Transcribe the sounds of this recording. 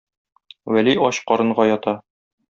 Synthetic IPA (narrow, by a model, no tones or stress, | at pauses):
wæliɒɕqɒɾɤ̆ɴɢɑjɒt̪ɑ